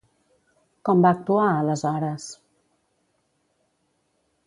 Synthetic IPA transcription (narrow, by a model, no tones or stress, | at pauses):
kɔmbaːk̚t̪uaələzɔɾəs